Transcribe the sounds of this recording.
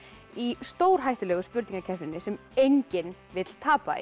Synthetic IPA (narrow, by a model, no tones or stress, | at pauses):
ist̪oːwɾ̥ɦajht̪ʏlɛɣʏspʏɾt̪niŋkacʰɛ̥t̪ɪnːɪsɛm | ejɲcɪnvɪt̪l̥t̪ʰaːpa̰ḭ